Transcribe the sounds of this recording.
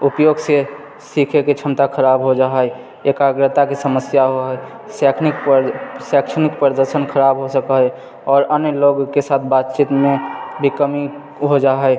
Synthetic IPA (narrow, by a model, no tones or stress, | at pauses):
upjoɡse | sikʰeket͡ʃʰəmt̪akʰəɾabɦod͡ʒaɦə | ekaɡɾət̪akisəməsjaɦoɦɛ | sɛkʰniksɛkʃənɪkpɾəɾəd̪əɾʃənkʰəɾabɦosəkəɦɛ | ɔːɾənjəloɡkesat̪̚ʰbat̪̚t͡ʃit̪mẽbikəmi | ɦod͡ʒaɦəj